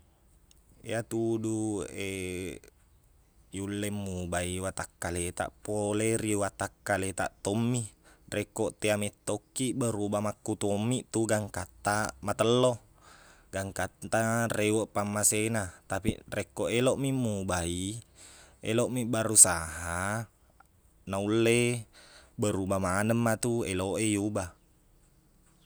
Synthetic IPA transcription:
ḭat̪udue | julːɛmːubaiwat̪akːalet̪a̰ʔpoleriwat̪akːalet̪a̰ʔt̪omːirekːɔʔt̪eamɛt̪ːokːiʔbəɾubamakːut̪omːiʔt̪uɡaŋkat̪ːamat̪əlːo | ɡaŋkat̪t̪arewəʔpamːasenat̪apḭrekːoʔeloʔmimːubai | ḛloʔmibaɾusaɦaa | naulːe | bəɾubamanəmːat̪ueloʔejuba

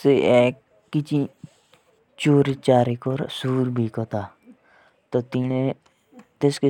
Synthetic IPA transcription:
seeːkː | it͡ʃi | t͡ʃoːɾit͡ʃaːɾekoːɾsuːɾbʱiːkot̪aː | t̪oːt̪ine | t̪eske

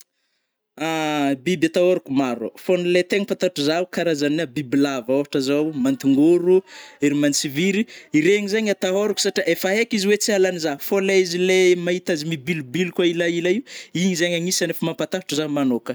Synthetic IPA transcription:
abibjat̪aɦoɾakumaɾ̰fonilet̪eŋipat̪aʈ͡ʂuzawkaɾazanabibilavaoɦaʈ͡ʂazawmant̪iŋɡuɾueɾimant͡siviɾiiɾeɲizaɲat̪aɦoɾuku̥saʈ͡ʂiʔefaɦekiziwet͡sialanizafoleizilemaɦit̪azimibilubilkwailailaiuiɲizaɲaŋisanefimampat̪aḁʈ͡ʂəzamanokə

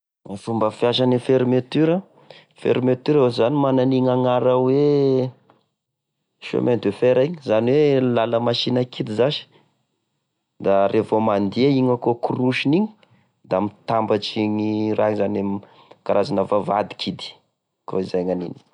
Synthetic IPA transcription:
fumbəfjaʃanifeɾmet̪yɾə | fḛɾimet̪yɾaozanimananiŋaŋaɾəwe | ʃo̰ment̪efeɾaiɲizaniwelaləmaʃinəkʰid̪izaʃi̥ | d̪aɾʔevomand̪iaiŋəkokuruʃiniɲi̥ | d̪amit̪ambat͡ʃiɲirazanam | kaɾazanəvava̰d̪i̥kʰid̪i̥ | kʰo̰izajŋanḭni̥

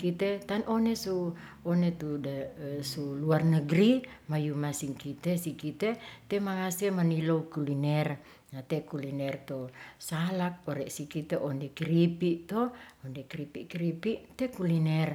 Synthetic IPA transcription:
kit̪et̪anʔonesu | ɔnet̪udasuluarnəɡɾimajumasiŋkit̪esikit̪et̪emaŋasɛmaniloukulinɛr | nat̪ɛkulinɛrt̪osalak̚ɔɾɛʔsikit̪eʔɔndɛkɾipiʔt̪ɔɔndekɾipiʔkɾipiʔt̪ɛkulinɛr

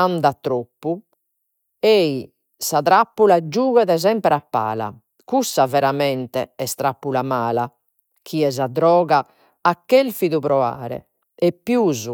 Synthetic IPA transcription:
and̪at̪ɾopːu | ei | saðɾapːulad͡ʒuːɣɛðɛzɛmpɾapːa̰ːla̰ | kusːavɛɾamɛnt̪ɛɛst̪ɾapːulamaːla | kʰiɛzad̪ɾɔːɣaː | kːelfiðuβɾɔa̰ːɾɛ̰ | ɛpːjuːzu

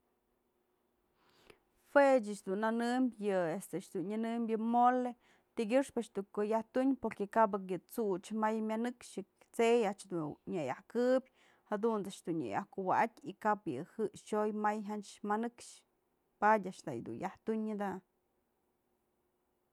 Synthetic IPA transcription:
fet͡ʃat͡ʃd̪unanɨmbʲjɨest̪ɨʃd̪unɲɨnɨmbʲjɨmole | t̪iɡʲɨʂpat͡ʃd̪ukojaht̪uɲpoɾkekab̬ak̬jɨt͡sut͡ʃmajmʲanɨkʃɨ | t͡sejaʔt͡ʃd̪uɲajahkɨbʲ | had̪unt͡sat͡ʃd̪unɲḛjahkuwaʔatʲikapjɨ̰hɨʔʃojmajɦat͡ʃmanɨkʂ | padʲaʔt͡ʃt̪a̰jd̪ṵnjaht̪uɲːɨd̪a

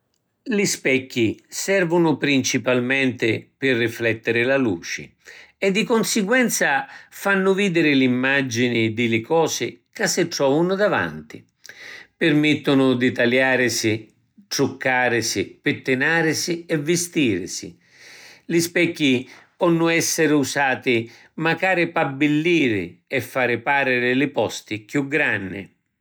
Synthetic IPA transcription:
lispɛkːisɛrvʊnʊpɾint͡ʃipalmɛnt̪ɪpɪrːiflɛt̪ːɪɾɪlalṵːt͡ʃɪ̰ɛd̪ːikonsɪɡwɛnt̪safanːʊviːd̪ɪɾɪlimːad͡ʒinid̪ɪlɪkɔːsɪkasːɪʈ̪ɾɔːvʊnʊd̪ava̰nt̪ḭ | pɪrmɪt̪ːʊnʊd̪ɪt̪aljaːɾɪsɪ | ʈɾʊkːaːɾɪsipɪt̪ːɪnaːɾɪsiɛvːɪst̪iːɾɪ̰sḭ | lɪspɛkːipɔnːʊɛsːɪɾɪusaːt̪ɪ | makaːɾɪpabːɪlːiːɾɪ̰ɛfːaːɾɪpaːɾɪɾɪlɪpɔst̪ikjuɡɾanːɪ̰

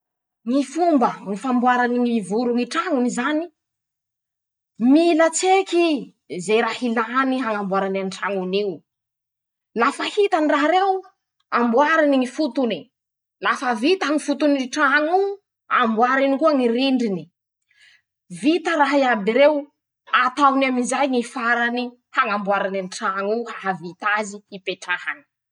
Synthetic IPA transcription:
ŋifumbəŋifambuaɾaniŋivuɾuŋiʈ͡ʂaŋunizani | milət͡seki | zejɾahilaniɦaŋambuaɾananiʈ͡ʂaŋuniw | lafəhit̪aniraɦɾew | ambwaɾiniŋifut̪uni | lafəvit̪aŋifut̪uniʈ͡ʂaɦaŋu | a̰mbwaɾinikuaŋiɾiɳɖ͡ʐini | vit̪əraɦiabiɾew | at̪awnamizajŋifaɾani | haŋambwaɾananʈ͡ʂaŋuhaɦavit̪aziipeʈ͡ʂahani̥

